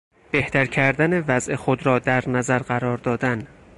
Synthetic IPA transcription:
b̥eht̪æɾcʰæɾd̪ænevæzʔexod̪ɾɒːd̪æɾnæzæɾɢæɾɒːɾd̪ɒːd̪æn

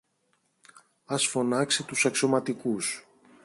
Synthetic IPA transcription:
ɐsfo̞nɐkset̪usɐkso̞mɐt̪ikus

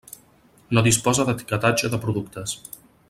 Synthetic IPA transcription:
noðispɔzəðət̪i̥kət̪ad͡ʒəðəpɾuðukt̪əs

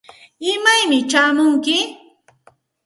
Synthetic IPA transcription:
ɪmajmɪt͡ʃaːmʊŋkɪ

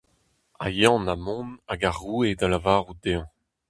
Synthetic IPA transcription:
a̰jɑ̃namɔ̃naɡaʁued̪alavaːʁud̪eɑ̃

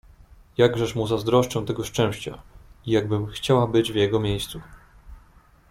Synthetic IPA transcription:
jaɡʐɛʂmuzazd̪ɾɔʂt͡ʂɛw̃t̪ɛɡɔʂt͡ʂɛ̃w̃ɕt͡ɕa̰ijaɡbɘmxt͡ɕawabɘd͡ʑvjɛɡɔmʲjejst̪su

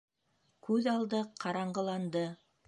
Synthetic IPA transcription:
kʉðɑlˠd̪ɤqʰɑɾɑɴɢɤ̆lˠɑnd̪ɤ

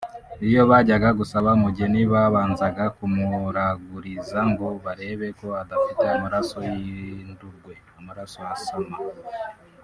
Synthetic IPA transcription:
ijo̞βaɟaɡaɡusaβamuɟe̞niβaβaːnzaɡakumuɾaɡuɾizaŋɡo̞βaɾe̞ːβe̞ko̞adafite̞umuɾaso̞jinduɾɡwe̞umuɾaso̞jasoma

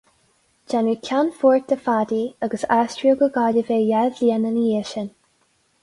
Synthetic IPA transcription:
d͡ʒɛnɹikʰanfɔɹt̚d̪əfad̪iəɡəsastɹioɡəɡɑliveːjɛlvliənənieʃən

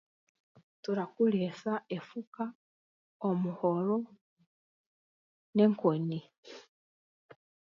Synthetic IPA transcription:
tuɾakulesaefuka | omuhoɾo | neŋkoni

